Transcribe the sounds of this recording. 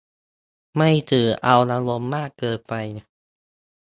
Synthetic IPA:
ma˥˩jt̪ʰɯː˨˩˦ʔa˧wla˧lo˧mːaː˥˩kːɤː˧t̪̚pa˧jna˧˩

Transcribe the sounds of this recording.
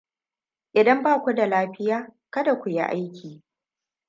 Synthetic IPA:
ʔɪ˨dɐ˦mbaː˦˨kʷu˦da˨laː˦ɸɪ˦jaː˦kɐ˦da˨kʷʊ˨ji˦ʔa˦jkʲiː˨

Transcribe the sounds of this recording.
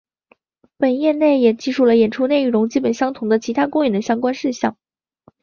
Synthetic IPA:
pə˨˩njɛ˥˧nne˥˩ɪjɛ˨˩t͡ɕi˥˧ʂu˥˩lə˩jɛ˨˩nʈ͡ʂʰu˥ne˥˩ɪɻʊ˧˥ŋt͡ɕi˥pə˨˩nɕjɑ˥ŋt̪ʰʊ˧˥ŋd̪ə˧t͡ɕʰi˧˥t̪ʰa˥kʊ˥ŋɥɛ˨˩nd̪ə˦ɕjɑ˥ŋkwa˥nʂɻ̩˥˧ɕjɑ̰˥˩ŋ

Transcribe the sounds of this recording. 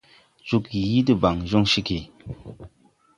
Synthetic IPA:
t͡ʃu˦kji˦də˦˨ba˨ŋʒɔ˦˨ŋʃi˦ki˨

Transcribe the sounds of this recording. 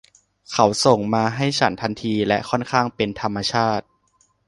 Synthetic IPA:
kʰa˦˥wso˨˩ŋmaː˧ɦa˥˩jt͡ɕʰa˦nt̪ʰa˧nt̪ʰiː˧lɛ˦˥ʔkʰɔ˥˩nkʰaː˥˩ŋpe˧nt̪ʰa˧mːa˧t͡ɕʰaː˥˩t̪̚

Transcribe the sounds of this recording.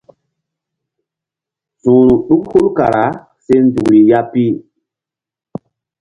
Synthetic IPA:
sũ˨ɾũ˨ɗu˦k̚hu˦lka̰˨ɾa˨˦ | se˦n˦du˨kɾi˨ja˦pi˦

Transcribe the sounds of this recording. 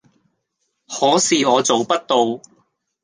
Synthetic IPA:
hɔː˨˥siː˨ɔː˨˧t͡so˨wpɐ˥t̚t̪o˨˧w

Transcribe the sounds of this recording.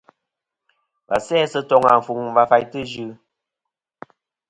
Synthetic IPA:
ba̰˨sɛː˦˨sə˦tɔ˦ŋa˨m̩˨fu˨ŋ˨va˨fa˨jtɨ˦d͡ʒʉ˦

